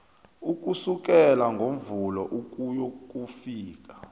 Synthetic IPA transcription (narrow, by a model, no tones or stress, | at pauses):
uk̬ʼusuk̬ɛlaŋɡʱom̩vulɔʔuk̬ʼujok̬ʼufiːk̬ḁ